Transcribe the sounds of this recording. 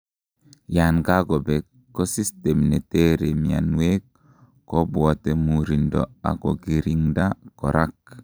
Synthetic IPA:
janɡa˦ɡɔ˨be˨kː | o˦si˦ste˨mne˨te˦ɾe˨mia̰˨nwe˦k | kːo˦bwɔ˨te˨muɾindɔ̰˨a̰˨ɡo˨ɡi˨ɾi˨ŋda˦kɔ˨ɾʔa˦k̚

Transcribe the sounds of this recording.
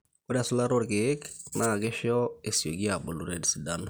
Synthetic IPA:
ko˦da˨su˦la˦ɾo˦ɾke˦kna˨ɡe˦ʃjɔ˦e˨sjo˨ɡi˦a˨bu˨lu˨ɾe˦di˨si˨da˦n

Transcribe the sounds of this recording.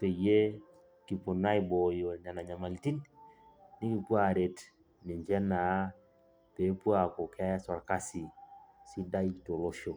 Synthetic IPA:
pe˨je˦ | ki˨po˨na˦i˦bo˨jo˨na˨na˨ɲa˨ma˨li˨ti˦n | ni˦ki˨pwa˦ɾe˨t | nɪ˨ɲd͡ʒɛ˦na˨˦ | pe˨˦pwa˦˨ko˨kɛ˦sa˨ɾka˦si˨si˦da˦i˦to˨lo˦ʃo˨

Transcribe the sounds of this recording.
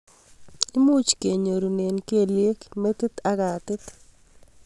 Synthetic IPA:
i˦mu˦t͡ʃke˨ɲo˨ɾu˨ne˨nke˨lɪe˦kme˦t̪ɪ˦t̪a˦ɡa˨t̪ɪ˦t̪

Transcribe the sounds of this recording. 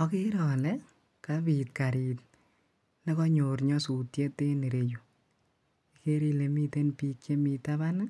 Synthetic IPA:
ɔ˨˦ki˦ɾɔ˨lɛ˦ | kabi˨t̚ka˨ɾi˨t | nɛ˦kɔ˦ɲo˨ɾɲɔ˦su˨tje˦te˦ne˨ɾe˨ju˨ | i˨ke˦ɾi˦le˨mi˦te˦npiː˦kt͡ʃe˦mi˨ta˦βa˦n˦

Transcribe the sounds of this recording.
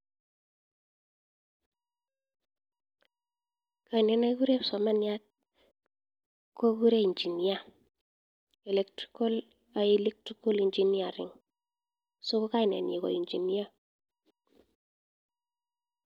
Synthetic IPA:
ka˨i˨nɛ˨na˦ku˦ɾe˦psɔ˨ma˦nja˦t̪̚ | kɔ˦ku˦ɾe˦i˨nd͡ʒi˨nia˦ | e˨le˨k̚tɾi̥ko˦l | a˨ele˦k̚tɾiko˦li˨ɲd͡ʒini˦a˨ɾɪ̰˨ŋ | so˦ko˦ka˦inɛ̰˨nḭ˨kɔ̰˨ind͡ʒi˨ni˦a˦

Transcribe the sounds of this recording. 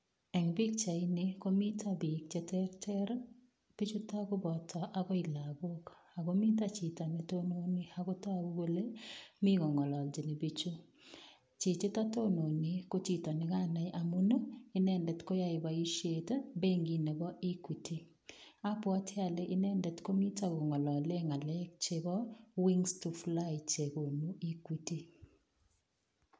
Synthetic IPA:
ɛ˨ŋbɪ˦k̚t͡ʃa˨i˦nɪ˦ko˦mi˦tʰa˦bɪ˨k̚t͡ʃɛ˦tɛ˦rtɛ˦ɾ | b̥i˦t͡ʃu˦ta˦ɡo˦bɔ˨tʰɔ˨ʔa˦ɡɔ˦ɪ˨la˨bo˦k | a˨ɡo˦mɪ˦t̬a˦t͡ʃi˨tɔ˨nɪ˨to˦no˦nɪ˦ha˨ɡɔ˦ta˦˨u˦ɡo˦le˦mɪ˦ɡɔ˨ŋɔ˨lɔ˨ld͡ʒi˨ne˨bi˦t͡ʃu˦ | t͡ʃɪ˨t͡ʃe˦ta˦to˦no˨nɪ˦ko˦t͡ʃi˨tɔ˨nɪ˨ka˦na˨jʔa˨mu˦no˦ɪ˦nɛ˦ndɛ˨tko˦ja˦ɪ˨ba˨i˦ʃe˨tbe˦ŋɡi˨ne˨bɔ˦ʔi˦ku˨ti˦ | a˦pwa˦tʰɪ˦a˨le˦ʔɪ˦nɛ˦ndɛ˨tko˦mi˦ta˦˨ɡɔ˨ŋɔ˨lɔ˨le˦ŋa˨lɛ˦k̚t͡ʃe˦bɔ˦wi˦ŋstu˨fla˦ɪ˨t͡ʃe˨ko˨nu˦ʔi˦ku˨ti˦

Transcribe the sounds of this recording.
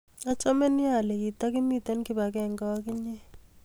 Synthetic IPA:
a˦t͡ʃʼɔ˦mɛ˦ni˦a˨lɛ˨ki˨ta˦k̬i˦mi˦˨tɛ˦nki˦ba˨k̬ɛ˦˨ŋɡɔ˦k̬i˦ɲɛ˦

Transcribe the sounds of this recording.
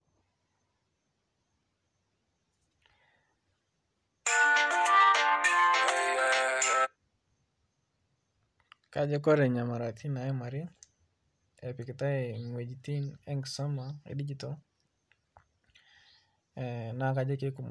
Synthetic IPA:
ka˨d͡ʒɛ˦kɔ˦ɾɛ˨ɲa˨ma˨ɾa˨t̪ʰi˦na˨ɛ˦ma˨ɾɪ˦ | ɛ˨pɪ˨kɪ˨ta˦ɛ˨ŋwe˨d͡ʒit̪i˦nɛ˦ŋɡsɔ˦ma˨ḛ˨di˦d͡ʒi˦tɔ | na˨ka˦d͡ʒɛ˦ke˦ku˨m

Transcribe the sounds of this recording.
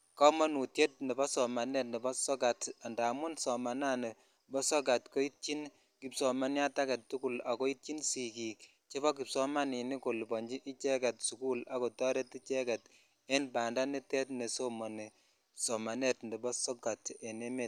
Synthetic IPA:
kɔ˦mɔ˦nu˨tje˦t̚nɛ˨bɔ˦sɔ˨ma˨ne˦˨t̚nɛ˨bɔ˦sɔ˦ɡa˨ta˨nda˨mʊ˦nsɔ˨ma˨na˦ne˨ | bɔ˦sɔ˦ɡa˨tko˦i˦t̚t͡ʃi˦n | ki˨psɔ˨ma˦nja˦ta˦kɛ˨ttːu˦ku˦˨la˨ko˦i˦t̚t͡ʃi˦nsi˨kiː˨k | t͡ʃe˦βɔ˦ki˨psɔ˦ma˦ni˨ni˦ko˨lbɔ˨ɲd͡ʒi˦ʔi˦t͡ʃɛ˦kɛ˨tsu˨ku˦la˨ko˨tɔ˦ɾe˦ti˦t͡ʃɛ˦kɛ˨t | e˦nba˨nda˦ni˦tɛ˦tne˨so˦mɔ˨ni˨ | sɔ˨ma˨ne˦tndɛ˨bɔ˦sɔ˦ɡa˨te˨ne˦me˨t̚

